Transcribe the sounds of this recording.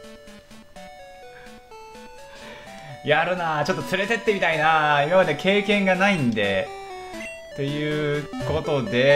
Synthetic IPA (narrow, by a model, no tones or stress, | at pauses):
jaɾɯ̟nat͡ɕo̞t̪ːot͡sɨɾe̞t̪e̞t̪ːe̞mʲit̪ainaimamad̪e̞kʰe̞ːkẽ̞ŋɡanaĩnd̪e̞ | t̪e̞jɯ̟ːko̞t̪o̞d̪e̞